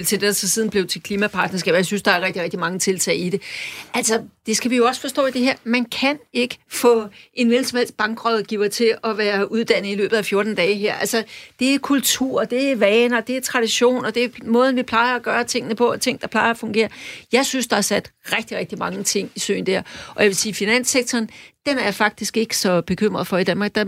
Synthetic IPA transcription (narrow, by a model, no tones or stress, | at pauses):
lt͡sʰed̥ed̥ɑsɒ̽siðˠn̩b̥le̝ʊt͡sʰe̝lkʰliːmæpʰɑ̈ːd̥nɐs̬ɡ̥ɛ̰ːb̥jɑ̈ɪsynsd̥ɑ̈æɐʁɛɡ̥̚d̥iʁɛɡ̥̚d̥imɑ̈ŋət͡sʰe̝lt͡sʰɛ̰ɪiɾe̝ʔæl̰sɒd̥e̝sɡ̥æʋijo̝ɒ̽sfɒ̽sd̥ɔ̰̽ːid̥e̝ɦeɐ̰mænkʰæne̝ɡ̥əfɔ̽ʔe̝nʋelsɒ̽mhel̰sd̥̚b̥ɑ̈ŋɡ̥ʁɒðˠɡ̥iʊɐt͡sʰe̝ɒ̽ʋæːɐuð̞ˠd̥æn̰ð̩ˠilø̰ːb̥ð̩ˠæfjo̝ɐd̥n̩d̥ɛːɦæɐ̰ʔælsɒd̥e̝æɐkʰult͡sʰuɐ̰d̥e̝æʋɛːnɒd̥e̝æɐt͡sʰʁɑ̈ɾ̥iɕo̝̰ːnɒ̽d̥e̝æɐmɔ̽ːð̞ˠn̩ʋipʰlɑ̈ɪɐæɡ̥ɶːɐt͡sʰe̝ŋ̰ənəpʰɒ̽ɒt͡sʰe̝ŋ̰n̩d̥ɑ̈pʰlɑ̈ɪɐɒfɔ̽ŋɡ̥e̝̰ːɐjɑ̈ɪsynsd̥ɑ̈hɑ̈sæd̥ʁɛɡ̥̚d̥iʁɛɡ̥d̥imɑ̈ŋət͡sʰe̝ŋ̰isø̰ːn̩d̥æɐʔɒ̽jæʋe̝siːfinæn̰seɡ̥̚t͡sʰɒːnd̥emæɐjɑ̈fɑ̈ɡ̥̚d̥isɡ̥e̝ɡ̥ə̥sɒ̽b̥e̝kʰøm̰ʁɐðˠfɒ̽id̥ænmɑ̈ːɡ̥̚d̥ɑ